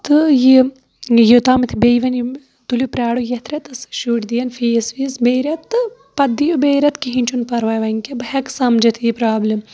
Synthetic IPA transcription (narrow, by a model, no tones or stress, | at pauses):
t̪ɨji | jut̪aːmit̪ʰibejʋɐn | t̪ulupɾʲaːɽujɐt̪ʰɾɐt̪ɨsʃuʈd̪ijɐnfijsʋisbeːɾʲɐt̪ːɨ | pɐd̪ijubeːɾʲɐt̪kiɦinʲt͡ʃʰunpɐɾʋɐjʋɐŋkebɨɦɐksɐmd͡ʒɐt̪ʰjipɾaːblʲim